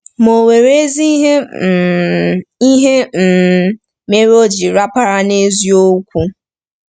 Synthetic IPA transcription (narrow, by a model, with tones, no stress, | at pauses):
mo˨we˨ɾe˦zi˦ɦe˦ | i˦ɦe˦m̩˨ | me˦ɾo˦d͡ʒi˨ɾa˦pa˦ɾa˦ne˦zi˦o˦kʷu˦